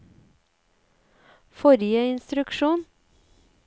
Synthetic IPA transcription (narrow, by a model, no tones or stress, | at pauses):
fɔɾjəɪnst̪ɾʉkʃuːn